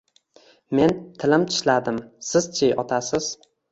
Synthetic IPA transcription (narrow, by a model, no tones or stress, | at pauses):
me̞nt̪ʰɪlɪmt̪ʰɪ̥ʃlad̪ɪmsɪzt͡ʃʰejʔɒt̪ʰasɪz̥